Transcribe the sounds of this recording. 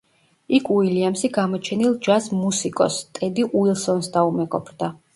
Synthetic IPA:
ikʰuiliamsiɡamɔt͡ʃʰɛnilˠd͡ʒasmusikʼɔ̰st̪ʼɛd̪iʔuilˠsɔnsd̪aumɛɡɔ̰pʰɾd̪a

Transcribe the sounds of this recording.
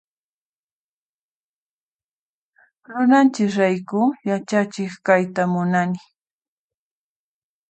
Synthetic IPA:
ɾʊnant͡ʃɪkɾajkʊjat͡ʃat͡ʃɪχkajt̪amʊnanɪ

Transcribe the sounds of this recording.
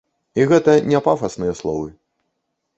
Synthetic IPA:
iɣɛt̪ɐnʲɛpafɐsnɨjɐslˠɔvɨ

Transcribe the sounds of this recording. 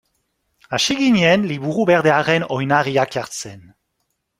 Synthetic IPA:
aʃiɣiɲenliβuɾubeʁdeaʁenojnaʁiakaɾt͡sen

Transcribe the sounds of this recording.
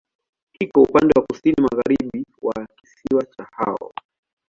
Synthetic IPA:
hikɔupandɛwakusinimaɣaɾiɓiwaki̥siwat͡ʃaha̰ɔ̰

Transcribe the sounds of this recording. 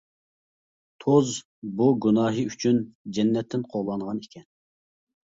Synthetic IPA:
t̪ʰoz | buɡʲunɑːɦɨyt͡ʃʰynd͡ʒɛnːɛt̪ʰːɪnqʰoʁlˠɑnʁɑnekʲɛn

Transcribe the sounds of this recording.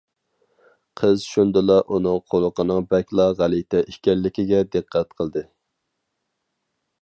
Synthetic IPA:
qʰəzʃund̪ɨlˠɑʔunɨŋqʰolˠʊqənɨŋbɛkʲlˠɑʁælit̪ʰɛʔiʃkʲɛllːɪkʲiɡʲɛd̪ɨqʰːɛt̪qʰəlˠd̪ɨ

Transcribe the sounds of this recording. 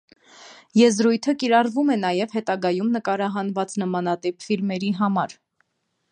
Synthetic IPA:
jɛzɾujt̪ʰəkiɾɑrvumɛnɑjɛvhɛt̪ɑɡɑjumnəkɑɾɑɦɑnvɑt͡snəmɑnɑt̪ɛpʰfilmɛɾiɦɑmɑɾ

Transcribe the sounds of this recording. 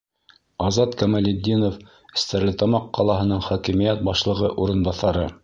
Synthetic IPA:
ɑzɑt̪kæmælʲɪd̪ʲːinof | ɘ̆st̪æɾlɘt̪ɑmɑqːɑlˠɑɦɤ̆nɤɴχɒkĭmijæt̪̚bɑʃlˠɤ̆ʁɤʔuɾɤ̆nbɑθɑɾɤ

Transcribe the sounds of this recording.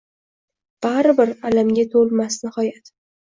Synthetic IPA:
b̥aɾbɪɾalamɡʲat̪ʰolmasnɪhɒjat̪

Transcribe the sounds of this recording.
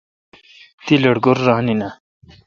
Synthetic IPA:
t̪ilɐɽɡoɾːɑːnina

